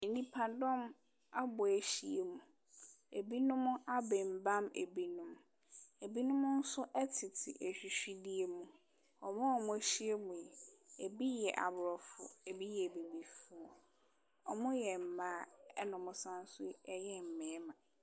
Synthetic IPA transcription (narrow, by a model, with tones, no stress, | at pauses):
e˨nĩ˦pʰa˨dɔ̃˦m | a˦bʊ˨æ˨ɕi˨e˨mũ˨ | e˨bi˦nʊ̃˦m̃˦ʔa˦bɛ˨m̩˨bã˦mḛ˨bi˦nʊ̃˦m | e˨bi˦nʊ̃˦m̃˦n̩˦sʊ˦ʔɛ˦tʰɪ˨tʰɪ̰˨ʔe˨ɕᶣi˨ɕᶣi˦di˦e˦mũ˨ | ɔ˨mʊ̃˦ɔ˨mʊ̃˦ɕi˦e˦mũ˨jɛ˨e˨bi˦jɛ˨ʔa̰˨bʊ˨ɾɔ˨fʊ̰˨e˨bi˦jɛ˨bi˨bi˨fʊ˦ɔ˨ | ɔ˨mʊ̃˦jɛ˨m̩˨mãː˦ɛ˦nʊ̃˨mʊ̃˨sã˦n̩˦sʊ˦ɛ˦jɛ˦m̩˨mɛ̃ː˨˦mã˨